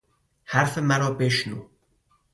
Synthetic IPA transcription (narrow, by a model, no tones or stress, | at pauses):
hæɾfemæɾɔːpeːʃnuː